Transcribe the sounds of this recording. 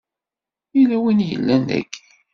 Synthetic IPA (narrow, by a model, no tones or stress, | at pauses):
ilæwinjə̰lːænːæ̰ɡ